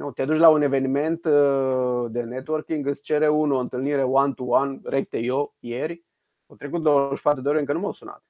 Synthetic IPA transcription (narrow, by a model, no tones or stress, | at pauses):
not̪ʲad̪ut͡ʃʲlaune̞ve̞nime̞nt̪ | d̪enet̪uworkʲiŋɡɨst͡ʃe̞ɾeunuoɨnt̪ɨlniɾe̞want̪uwanrek̚t̪ejojerʲ | owt̪ɾek̬ut̪̚d̪owooʃpat̪ɾud̪eoɾeɨŋkənumawsuna̰t̪